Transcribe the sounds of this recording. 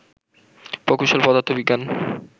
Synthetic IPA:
pokuʃolpɔd̪at̪ʰːobiɡan

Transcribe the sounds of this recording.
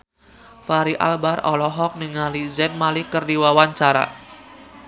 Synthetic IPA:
faɾiʔa̰lbarɔlɔɦɔk̚niŋalizɛnmalɪhkərdiwawaɲt͡ʃaɾa̰

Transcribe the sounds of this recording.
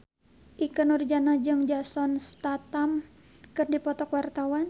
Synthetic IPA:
ʔikənurd͡ʒanad͡ʒɨŋd͡ʒasɔnst̪at̪am | kɨrdipɔt̪ɔkwart̪awan

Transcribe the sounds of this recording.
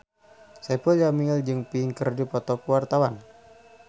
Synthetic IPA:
sapɔjamiəld͡ʒɨŋpiŋkərdipɔt̪ɔkuwart̪awan

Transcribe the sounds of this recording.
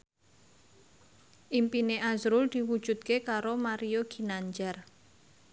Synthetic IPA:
ʔimpineʔazɾʊld̪̥iwud̥ʒ̥ṳd̪̚kekaɾomaɾijoɡ̥i̤naɲd͡ʒar

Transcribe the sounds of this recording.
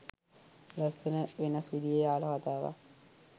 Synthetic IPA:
lɐst̪ənəʋenɐsʋid̪ijeaːlɐkat̪aːʋa̰

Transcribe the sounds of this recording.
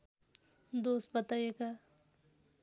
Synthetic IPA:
d̪oːst̪̚bɐt̪aːjeɡa

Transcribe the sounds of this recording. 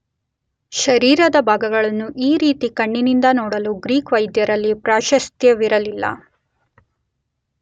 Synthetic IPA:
ʃɐɾiːɾɐd̪ɐbʱaːɡɐɡɐɭɐnːuʔiːɾiːt̪ikɐɳːinind̪ɐnɔːɽɐluɡɾiːkʋɐjd̪jɐɾɐlːipɾaːʃɐst̪jɐʋiɾɐlilːɐ̰

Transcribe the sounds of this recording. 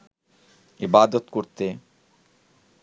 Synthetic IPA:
ibad̪ot̪koɾt̪e

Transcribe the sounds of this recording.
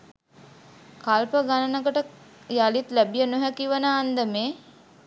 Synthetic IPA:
kalpəɡanənəɡəʈə | jalit̪læbijənuɦækiʋənaːnd̪əmeː

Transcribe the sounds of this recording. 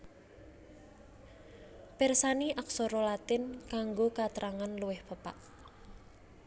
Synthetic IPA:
pɪrsaniʔak̚sɔɾɔlat̪ɪnkaŋɡokat̪ɾʔaŋanluwɪhpəpa̰ʔ

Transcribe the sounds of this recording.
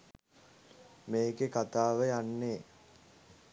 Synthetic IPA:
meːɡekat̪aːʋəjanːe

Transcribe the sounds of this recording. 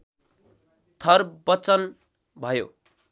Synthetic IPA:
t̪ʰʌrbʌt͡sʌn | bʱʌjo̰

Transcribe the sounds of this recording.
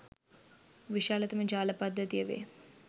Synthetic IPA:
ʋiʃaːlɐt̪ɐmɐd͡ʒaːlɐpɐd̪ʱːɐt̪ijɐʋḛː

